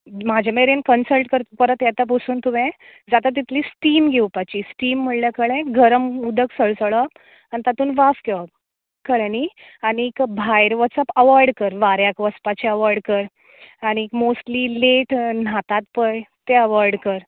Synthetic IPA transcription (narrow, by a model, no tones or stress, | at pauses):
mad͡ʑʱameɾenkənsəlʈkəɾt̪pəɾət̪jat̪ap̬usuːnt̪umɛ̃d͡zat̪at̪̬ːit̪ʰliːsʈiːmɡʱewpat͡ɕisʈiːmːəɭljakəɭɛ̃ɡʱəɾəmud̪əksəɭsəɭəp | anit̪at̪uːnʋafkeʋəp̚ | kəɭɛ̃ni | añiːkbʱajɾʋəsəpəʋəɾɖkəɾʋaɾjakʋəspat͡ɕiəʋaɾɖkəɾ | añiːkmosʈliːleʈn̤at̪at̪pəjt̪eəʋəɾɖkəɾ